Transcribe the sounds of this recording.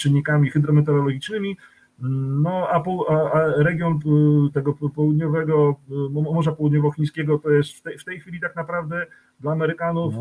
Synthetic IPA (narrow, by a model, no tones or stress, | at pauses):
t͡ʂɨɲːikamʲixɘd̪ɾɔmɛt̪̬ɛɾɔlɔɡʲit͡ʂnɘmʲi | nɔapɔaaɾɛɡʲjɔnt̪ɛɡɔpɔwud̪ɲɔvɛɡɔmɔmɔʐapɔwud̪ɲɔvɔxʲĩɲ̃skʲɛɡɔt̪ɔjɛst̪ft̪ɛft̪ɛjxfʲilʲit̪aknapɾavd̪ɛ | d̪laːmɛɾɘkanuf